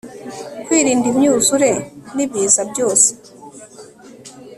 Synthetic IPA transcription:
kwiːɾiːndimɲuːzuɾe̞niβiːzabjo̞ːse̥

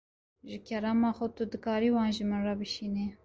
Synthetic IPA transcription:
ʒɪkʰɛɾɑːmɑːxʊt̪ud̪ɨkɑːɾiːwɑːnʒimɨnrɑbɨʃiːne

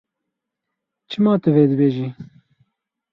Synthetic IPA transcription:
t͡ʃʰɨmɑːt̪ɨveːd̪ɨbeːʒiː

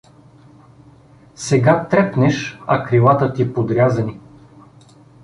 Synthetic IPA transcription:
sɛɡat̪ɾɛpnɛʃɐkɾilˠat̪ət̪ipod̪ɾʲazɐni

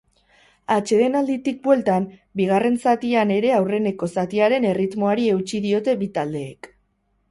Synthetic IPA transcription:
at͡ʃe̞ðe̞nald̪it̪ik̚bwe̞lt̪ambiɣ̞are̞nsat̪iane̞ɾe̞awre̞ne̞ko̞sat̪iaɾe̞ne̞rit̪moaɾie̞wt͡ʃiðio̞t̪e̞βit̪ald̪e̞ːk

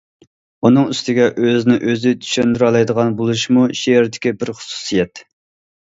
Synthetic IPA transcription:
unɨŋyst̪ʰɪɡʲɛʔøznɪʔøzɪt̪ʰy̥ʃønd̪ɾɑlˠɑjd̪əʁɑnbolˠuʃmuʃeeɾd̪ɪkʲibɪɾχʊ̥su̥sijɛt̪

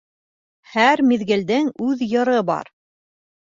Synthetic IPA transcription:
hæɾmiðɡɘ̆ld̪ɘŋʉðjɤ̆ɾɤbɑ̰ɾ

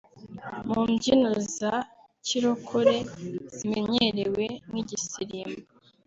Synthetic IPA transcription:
mumɟinuza | ciɾokʰuɾez̥imḛɲeɾeweniɟisiɾima

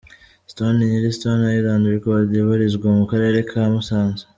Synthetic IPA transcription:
stoniniɾistonajilaːndiɾikoβadiβuɾizɡwamukaɾe̞ɾe̞kʰamusaːnze̥

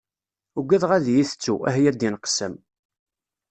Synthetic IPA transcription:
uɡʷːæðʁæðjiθət͡sːuæhjæd̪inqsəm

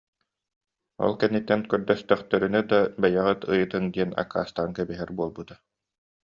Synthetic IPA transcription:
ɔ̰lˠkɛnːit̪ːɛnkœɾd̪œst̪œχt̪œɾynɛd̪abajaʁɯt̪ɯjɯt̪ɯŋd̪iɛna̰kːa̰ːst̪aŋkɛbiɦɛɾbuɔlˠbut̪a

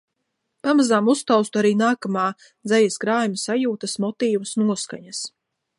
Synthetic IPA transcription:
pamazaːmust̪awst̪uaɾiːnaːkamaː | d̪zɛjaskɾaːjmʲasajuːt̪asmɔt̪iːvasnuɔska̰ɲas

